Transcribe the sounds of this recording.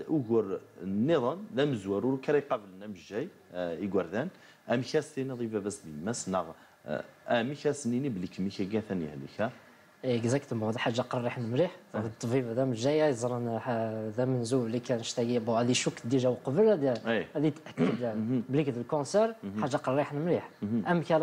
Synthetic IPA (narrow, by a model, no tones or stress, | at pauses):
ʔuɣəɾnːiðˤɑnðæməzwæɾuɾukæɾijqɑbəlnæməʃːæj | iɡwəɾˤðænt̪ | ʔæmiçæst̪iniðˤibæbæsd̪əmæsnəɣ | ʔæmiçæsənːiniblikmikæɡæθænḭhlḭkæ | ɡzækt̪mod̪ˤħaʒːaqɑrˤːiħnəmɾiħæd̪it̪ˤːfifd̪æməʒːæjæjzˤɾˤənħd̪æmənzulːikænəʃt̪æɡibuæd̪iʃukːd̪iʒæwqbəlæd̪jælihæd̪it̪ʔækːəd̪jælblikd̪əlkõsɛɾˤħaʒːaqɑrˤːiħnmɾiħʔəmːkæ